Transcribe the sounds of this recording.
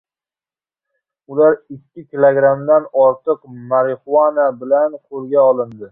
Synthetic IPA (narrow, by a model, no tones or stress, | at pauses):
ʊlaɾɪkʲʰːɪkʲʰɪlˠoɡɾamd̪anɒɾt̪ɨqmaɾɪχuanabɪlanqʰolˠɡʲaɒlˠɪnd̪ɪ